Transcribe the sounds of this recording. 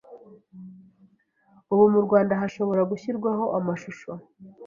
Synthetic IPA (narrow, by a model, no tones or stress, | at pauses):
uβumuɾɡwaːndaɦaʃo̞βo̞ɾaɡuçiɾɡwaɦo̞ʔamaʃuʃo